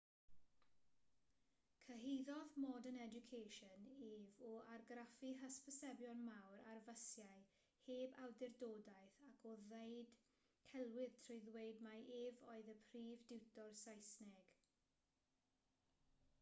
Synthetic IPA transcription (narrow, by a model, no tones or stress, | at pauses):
kʰəɦejðɔðmɔːdənɛd͡ʒʊkʰejʃəneːvɔarɡrafiɦəspəsɛbjɔnmawɾarvəsjaɨ | heːbawdɪrdoːdajθakʰɔðejd̥ | kʰɛlˠwɪð̥tʰrɔɨðwejdmaʔeːvɔɨðəpʰriːvdɪwtʰɔrsajsnɛɡ̥